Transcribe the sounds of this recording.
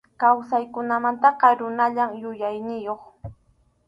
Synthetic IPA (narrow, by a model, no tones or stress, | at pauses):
kawsajkʊnamant̪ɑqɑɾʊnaʎamjʊjajnɪjoχ